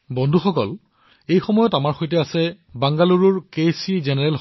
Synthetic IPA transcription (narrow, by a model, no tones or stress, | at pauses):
bɔndʱuxɔkɔ̰l | ejxɔmɔjɔtamaɹxojt̬ɛasɛ | baŋɡaluɹuɹkesizɛnɛɹɛlx